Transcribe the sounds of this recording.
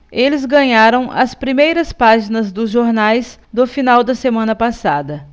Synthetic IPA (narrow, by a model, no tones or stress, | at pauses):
elɪzɡɐ̃ɲaɾɐ̃w̃ʔɐ̰spɾimejɾɐspaʒinɐzd̪ʊzʒoɾnajs | d̪ʊfinawd̪ɐsemɐ̃nɐpasad̪ɐ